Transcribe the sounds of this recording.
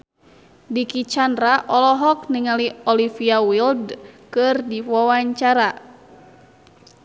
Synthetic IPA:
dikit͡ʃandɾaʔɔlɔɦɔk̚niŋaliɔlifiawildkɨrdiwawaɲt͡ʃaɾa

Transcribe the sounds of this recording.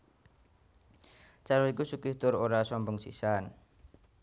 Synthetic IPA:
t͡ʃaɾɔikusukɪht̪ʊɾoɾasɔmbɔŋsḭsan

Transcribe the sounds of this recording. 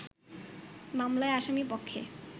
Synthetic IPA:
mamlaeaʃamipokʰːḛ

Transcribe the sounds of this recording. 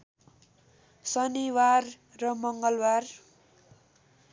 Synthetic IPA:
sʌniwarː | ʌmʌŋɡʌlwar

